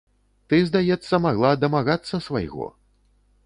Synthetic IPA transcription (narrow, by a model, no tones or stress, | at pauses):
t̪ɨzd̪ajɛt̪sːɐmaɣlˠad̪ɐmaɣat̪sːɐsva̰jɣɔ̰